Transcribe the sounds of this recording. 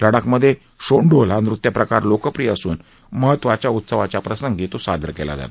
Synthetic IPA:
ləɽakməd̪ʱːje | ɕoɳɖolanɾut̪japɾəkaɾlokəpɾijasuːn | məɦət̪ːʋat͡ɕjaut̪səʋat͡ɕjapɾəsəŋɡɡet̪osad̪ʱɾəkɛla̰d͡za̰t̪

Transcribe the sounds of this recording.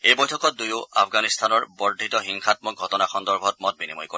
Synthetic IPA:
ejbɔjtʰɔkɔt̚dujʊa̰pʰɡanist̪ʰanɔɹbɔɹdʱitɔɦiŋxatmɔk̚ɡʱɔtɔnaxɔndɔɹbʱɔt̚mɔt̚binimɔjko

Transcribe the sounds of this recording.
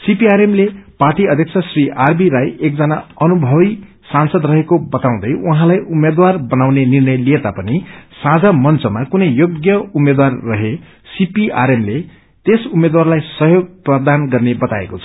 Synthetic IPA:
sipiaɾemleparʈiʌd̪ʱjʌk̚t͡sʰʌsriʔarbiɾajekd͡zʌnaʌnubʱʌβi | sansʌd̪rʌɦekobʌt̪aw̃d̪ʌjuɦãlajumed̪warbʌnawnenirnʌjlijet̪apʌnisãd͡zamʌnt͡sʌmakunʌjjoɡjʌumed̪warːʌɦe | sipia̰ɾemle | t̪esumed̪warlajsʌɦjoɡ̚prʌd̪anɡʌrnebʌt̪a̰ḛkot͡sʰʌ̥

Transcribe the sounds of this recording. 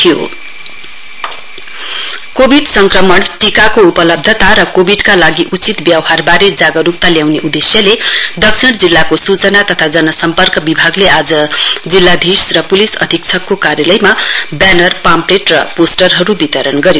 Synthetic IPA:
t̪ʰijo̰ | kobʱiɖsʌŋkrʌmʌɳʈikakoupʌlʌb̚d̪ʱʌt̪aɾʌkobʱiɖkalaɡiʔut͡sit̪bjawɦarbaɾed͡zaɡʌɾup̚t̪aljawneʔud̪esjʌled̪ʌksʰiɽd͡zilːakosut͡sʌnat̪ʌt̪ʰad͡zʌnʌsʌmpʌrkʌbibʱaɡleʔad͡zʌd͡zilːad̪ʱisrʌpulisʌ̰d̪ʱik̚t͡sʰʌkːokaɾjʌlʌjmabanʌrpampleʈrʌ̰posʈʌrɦʌɾubit̪ʌɾʌnɡʌɾjo

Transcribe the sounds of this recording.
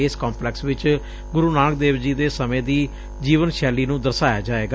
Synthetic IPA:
eːskaːmplɛːksʋɪt͡ʃ | ɡʊɾuːnaːnk̚d̪eːbd͡ʒiːd̪eːsəmẽːd̪iː | d͡ʒiːʋənʃɛːliːnũːd̪əɾsaːjaːd͡ʒaːeːɡa

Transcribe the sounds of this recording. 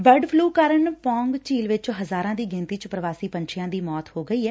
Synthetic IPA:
bəɾɖpʰluːkəɾəɳpɔ̃ːŋɡt͡ʃiːlʋɪt͡ʃɦəzaːɾãːd̪iːɡɪ̃nt̪iːt͡ʃpɾəʋaːsiːpəɲt͡ʃʰɪjãːd̪iːmɔːt̪hoːɡəiːɛː

